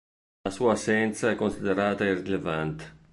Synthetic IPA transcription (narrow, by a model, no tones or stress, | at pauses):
lasuːasːɛnt̪saɛkːonsid̪eɾaːt̪aerːilevant̪e̥